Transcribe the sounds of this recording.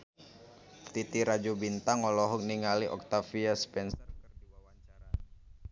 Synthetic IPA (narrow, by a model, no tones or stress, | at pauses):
t̪it̪iɾad͡ʒubint̪aŋɔlɔɦɔk̚niŋaliʔɔk̚t̪afiaspɛnsərkɨrdiwawaɲt͡ʃaɾa